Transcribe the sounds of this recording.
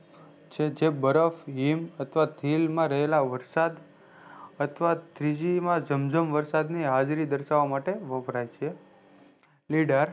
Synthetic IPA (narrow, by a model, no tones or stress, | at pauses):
t͡ʃʰed͡ʒebəɾəfimət̪ʰʋat̪ʰilmãɾəɦelaʋəɾsad̪ | ət̪ʰʋat̪ʰɾid͡ʒimãd͡ʒəmd͡ʒəmʋəɾsad̪niɦad͡ʒɾid̪əɾʃaʋamaʈeʋəbʱɾajt͡ʃʰe | liɖəɾ